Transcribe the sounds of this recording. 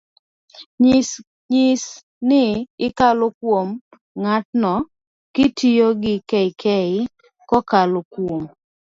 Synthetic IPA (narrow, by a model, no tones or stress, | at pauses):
ɲɪs | nɪɪkalokwom | ŋatnɔ | kɪtijoɡɪkɛɪkɛɪ | kɔkalokwom